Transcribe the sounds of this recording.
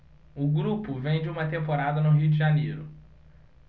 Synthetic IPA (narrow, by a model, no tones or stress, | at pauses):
ʊɡɾupʊvẽj̃d͡ʒɪũmɐt̪ẽmpoɾad̪ɐnʊɦiʊd͡ʒɪʒanejɾʊ